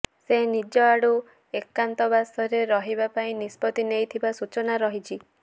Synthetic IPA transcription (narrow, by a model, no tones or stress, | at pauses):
senid͡ʒɔaɽu | ekːant̪ɔbasɔɾeɾɔɦibapaĩnispɔt̪inejt̪ʰibasut͡ʃɔnaɾɔɦit͡ʃʰi